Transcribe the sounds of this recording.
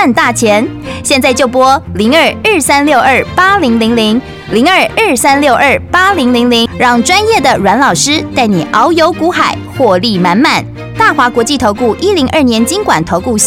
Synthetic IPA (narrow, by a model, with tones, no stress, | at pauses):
nt̪a˥˩t͡ɕʰjɛ˧˥nɕjɛ˥˧nt͡sa˥˧ɪt͡ɕjo˥˩ʊpwɔ˥li˧˥ŋə˞˨˩ə˥˩sa˥nljo˥˧ʊʔə˞˥˩pa˥li˧˥ŋli˧˥ŋli˧˥ŋ | li˧˥ŋə˞˨˩ə˞˥˩sa˥nljo˥˧ʊʔə˞˥˩pa˥li˧˥ŋli˧˥ŋli˧˥ŋɻɑ˥˩ŋʈ͡ʂwa˥njɛ˥˩d̪ə˩ɻwa˧˥nlɑ˨˩ʊʂɻ̩˥t̪a˥˩ɪnḭ˨˩ʔɑ˧˥ʊjo˧˥ʊku˧˥xa˨˩˦ɪxwɔ˥˧li˥˩ma˧˥nma˨˩n | t̪a˥˩xwa˧˥kwɔ˧˥t͡ɕi˥˩t̪ʰo˧˥ʊku˥˩ʔi˥li˧˥ŋʔə˥˩njɛ˧˥nt͡ɕi˥ŋkwa̰˨˩nt̪ʰo˧˥ʊku˥˧